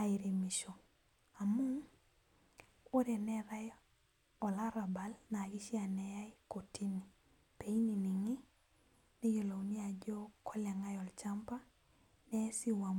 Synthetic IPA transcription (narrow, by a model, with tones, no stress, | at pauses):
a˨i˨ɾi˨mi˨ʃo˨ | a˨mʊ˦ŋ | o˦ɾɛ˨nɛ˦ɾa˦j | ɔ˨la˦ɾa˨ba˨lna˨ɡi˦ʃi˦a˨nɛ˨ja˦jko˨ti˦ni˨ | pe˨i˦ni˨ni˨ŋi˦ | ne˦jo˨lo˨wni˦a˨d͡ʒo˦kʰɔ˦lɛ˨ŋa˦jɔ˨lt͡ʃa˦mpa˦ | nɛ˦si˦wa˨m